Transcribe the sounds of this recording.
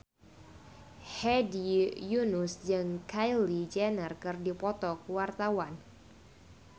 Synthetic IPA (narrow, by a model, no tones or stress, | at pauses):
hɛdijunusd͡ʒɨŋkajlid͡ʒɛnərkɨrdipɔt̪ɔkuwart̪awan